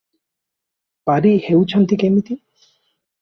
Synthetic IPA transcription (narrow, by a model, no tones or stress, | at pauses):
paɾihewt͡ɕʰant̪ikemit̪i